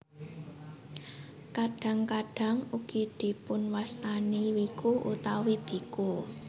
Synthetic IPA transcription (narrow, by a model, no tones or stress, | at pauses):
kaɖ̥ä̤ŋkaɖ̥a̤ŋuɡ̥id̪̥i̤pʊnwast̪aniwikuʔṵt̪awib̥i̤ku